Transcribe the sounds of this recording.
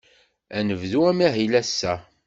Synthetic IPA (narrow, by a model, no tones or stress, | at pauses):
ænəvðuæmæɦilæsːæ